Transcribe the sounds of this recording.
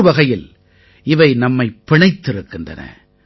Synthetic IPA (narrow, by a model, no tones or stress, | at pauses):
ʋɐɣɐjɪl | ɪʋɐɪnɐmːɐɪpːɪɳɐɪt̪ːɪɾɯkːɪndrɐ̰nɐ̰